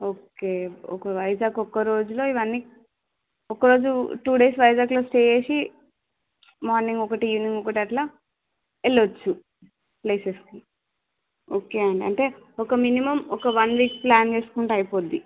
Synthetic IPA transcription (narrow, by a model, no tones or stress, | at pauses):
oːke̞ːɔ̰kɐʋɐjd͡ʒaːɡɔkːɐɾo̞ːd͡ʒulo̞ːiʋɐnːi | ɔkɐɾo̞ːd͡ʒuʈuːɽe̞ːsʋɐjd͡ʒaːɡlo̞ːsʈeːjeːsi | maːɾniŋɡɔkɐʈijiʋniŋɡɔkɐʈiɐʈlaː | elːot͡ʃːu | pleːseski | oːke̞ːɐɳɖiɐ̰ɳʈe̞ːɔkɐminimɐmɔkɐʋɐnʋiːk̚plaːnt͡ʃe̞ːsu̥kuɳʈaɐjipoːd̪i